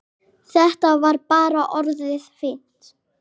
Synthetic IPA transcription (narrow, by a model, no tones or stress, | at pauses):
θɛht̪avaɾpaːɾaʔɔɾðɪðfɪn̥t̪